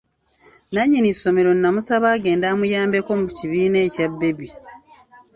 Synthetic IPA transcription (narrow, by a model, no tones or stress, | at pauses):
naɲːinisːo̞me̞ɾo̞niːamusaβaːɡe̞ːndaːmujaːmbe̞ko̞muciβiːne̞ːcabːe̞bi